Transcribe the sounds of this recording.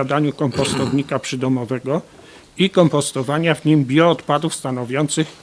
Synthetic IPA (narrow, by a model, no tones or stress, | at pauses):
ad̪aɲukɔmpɔst̪ɔvɲikapʂɘd̪ɔmɔvɛɡɔ | ikɔmpɔst̪ɔvaɲavɲimbʲjɔːt̪pad̪ufst̪anɔvʲjɔnt̪sɘx